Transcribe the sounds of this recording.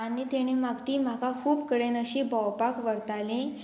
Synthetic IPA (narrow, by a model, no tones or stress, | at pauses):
añit̪eɽ̃imaɡt̪iːm̤akakʰuːbkəɽenəɕibɔwpakʋəɾt̪alẽ